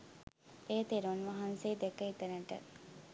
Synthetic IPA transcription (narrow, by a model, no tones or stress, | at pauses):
eːt̪eɾonʋɐɦanseːd̪ekəit̪ənəʈə̰